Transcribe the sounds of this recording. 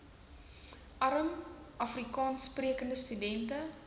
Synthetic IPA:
ʔɐɾəm | ɐfrikɑːnspriəkəndəstydɛntə

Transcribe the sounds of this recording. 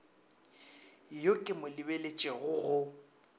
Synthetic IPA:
jokʼɪmʊlɪbelet͡ʃʼɛɣʊɣʊ

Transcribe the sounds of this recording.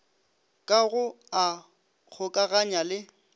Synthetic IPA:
kʼaɣʊ | a | k͡xʰʊkʼaɣaɲalɪ

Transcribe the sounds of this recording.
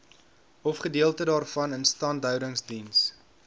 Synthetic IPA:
ɔfχədiəlˠtədɑːrfɐnənstɑːndœɥdəŋsdins

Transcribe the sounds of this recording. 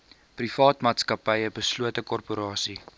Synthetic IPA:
prifɑːtmɑːtskɐpəjəbəsluətəkɔrpuɾɑːsi

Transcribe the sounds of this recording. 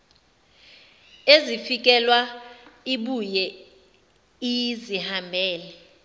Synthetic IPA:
ezifik̬ɛlwaiɓujɛ | ijizihambʱɛːlɛ

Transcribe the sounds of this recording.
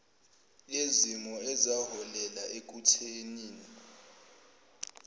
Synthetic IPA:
lezimɔɛzahɔlɛlaʔek̬utʰeniːni

